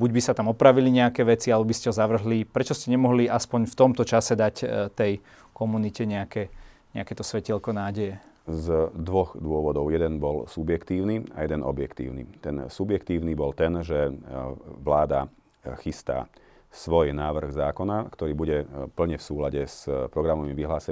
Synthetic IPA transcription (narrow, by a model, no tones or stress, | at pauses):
buɟbisat̪amɔpɾaʋiliɲɛakɛːʋɛt͡sialɛɔbiscɛɦɔzaʋr̩ɦlipɾɛt͡ʃɔscɛɲɛmɔɦliaspɔɲft̪ɔmt̪ɔt͡ʃasɛd̪act̪ɛj | kɔmunicɛɲɛakɛ | ɲɛakɛt̪ɔsʋɛcɛlkɔnaːɟɛjɛ | zd̪ʋɔɣd̪ʊɔʋɔd̪ɔʊjɛd̪ɛnbɔlsubjɛkt̪iːʊnia̰jɛd̪ɛnɔ̰bjɛkt̪ḭːʊnḭt̪ɛnsubjɛkt̪iːʊnibɔlt̪ɛnʒɛ | ʋlaːd̪a | xist̪a̰ː | sʋɔjnaːʋr̩ɣzaːkɔnakt̪ɔɾiːbuɟɛpl̩ɲɛfsuːlaɟɛspɾɔɡɾamɔmiʋiɦlaːsɛ